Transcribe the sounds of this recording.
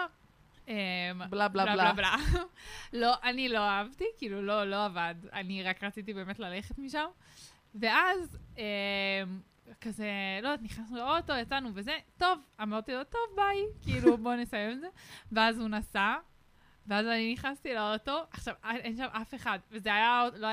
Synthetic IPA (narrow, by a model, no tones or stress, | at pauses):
emblablalalabla | lo̞ʔanilo̞aavt̪ikiiːlulo̞lo̞avada̰niʁakʁat͡sit̬ibe̞ːme̞tlale̞χet̪miʃam | ve̞azem | kazelo̞niχnasnuleot̪o̞jat͡sanuve̞ze̞to̞vamaʁt̪ilot̪o̞vbaikiilubo̞nesajemze̞ve̞azhunasa | veazaniniχnast̪ileoto̞aχʃavaʔenʃamʔafe̞χadvezeajaolo